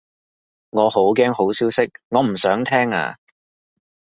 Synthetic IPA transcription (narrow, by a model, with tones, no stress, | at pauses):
ŋɔː˨˧ho˨˥wkɛː˥ŋho˨˥wsiː˥wsɪ˥k̚ŋɔː˨˧m̩˨˩sœː˨˥ŋt̪ʰɛː˥ŋa̰ː˧